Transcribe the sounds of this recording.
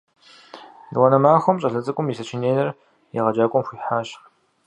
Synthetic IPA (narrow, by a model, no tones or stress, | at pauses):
dwɐnɐmaːxʷɔmɕʼɐɮɐt͡sʼɨkʷʼʊmjisɐt͡ʃʰɪneːnɐr | jeʁɐd͡ʒaːkʷʼɔmxʷiːħaːɕ